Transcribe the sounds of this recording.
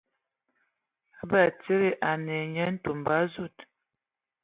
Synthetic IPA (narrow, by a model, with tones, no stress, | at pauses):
a˦ba˦˨t͡se˦ɾe˦ʔa˨nɛ˨ɲɛ˦n̩˦tu˨mba˦zu˦˨t